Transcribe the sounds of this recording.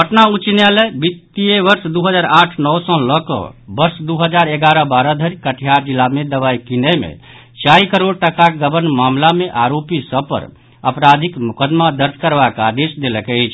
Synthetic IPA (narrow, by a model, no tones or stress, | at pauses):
pəʈnaut͡ʃinjalɛbit̪ːijeʋəɾsd̪uɦəd͡ʒaɾaʈʰnɔwsɔ̃lɔkɔ̰bəɾsd̪uɦəd͡ʒaɾeɡaɾəbaɾəd̪ʱəɾikəʈʰijaɾd͡ʒilːamed̪əβajkinəmḛ | t͡ʃaikəɾoɽ̚ʈəkaɡəbənmamlameʔaɾopisəb̚pə̰ɾ | əpɾad̪ʱikmukəd̪mad̪əɾd̪ʱkəɾbakad̪esd̪eləkɛt͡ʃʰ